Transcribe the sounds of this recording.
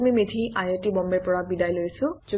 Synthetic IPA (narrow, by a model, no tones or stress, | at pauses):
mimedʰʱiʔajetibɔmbɛɹpɔɹabidajlojsʊ̃z̥u